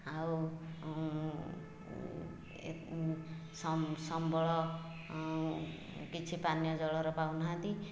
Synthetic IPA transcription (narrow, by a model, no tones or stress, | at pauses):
aw | smsɔmbʱɔɭɔ | kit͡sʰipanjʌd͡zɔɭɔɾɔpawnɦãt̪i